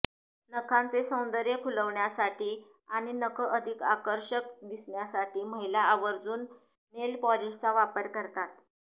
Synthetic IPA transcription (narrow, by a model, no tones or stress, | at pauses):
nəkʰãnt͡sesə̃w̃nd̪əɾjəkʰuləʋɳjasaʈiː | aɽ̃inəkʰəʔəd̪ʱika̰kəɾɕək̚d̪isɳjasaʈiːməɦilaːʋəɾd͡zuːnː | elpɔliʂt͡saʋapəɾkəɾt̪at̪̚